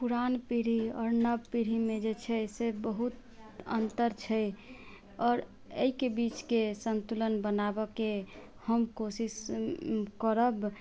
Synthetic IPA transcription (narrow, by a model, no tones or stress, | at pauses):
puɾanpiɾiɔ̰ːɾnəbpiɾimed͡ʒet͡ʃʰɛsebəɦut̪ | ə̰nt̪əɾt͡ʃʰɛj | ɔːɾ | əikebit͡ʃkesənt̪ulənbənabɔke | həmkosis | kəɾəb